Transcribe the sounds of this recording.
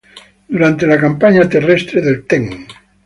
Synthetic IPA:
d̪̥uɾant̪elakampaɲat̪erest̪ɾeðelt̪eŋ

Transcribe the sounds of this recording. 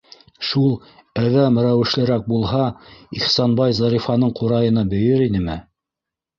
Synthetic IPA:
ʃulˠ | æðæmɾæwɘ̆ʃlɘ̆ɾæk̚bulˠɦɑiχsɑnbɑjzɑɾifɑnɤɴquɾɑjɤ̆nɑbɵ̆jɘɾinɘmɘ

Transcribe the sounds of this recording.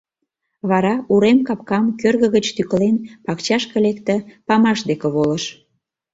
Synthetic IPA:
βɑɾɑuɾemkɑpkɑmkørɣə̆ɣət͡ɕt̪yklenpɑkt͡ɕɑʃkə̆lekt̪ə̆pɑmɑʃd̪ekeβoləʃ

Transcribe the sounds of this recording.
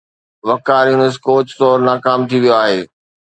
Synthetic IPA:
ʋɐkaːɾiʊnəs̬koːt͡ɕt̪oːɾnaːkaːmt̪ʰiʋijoaːɦeː

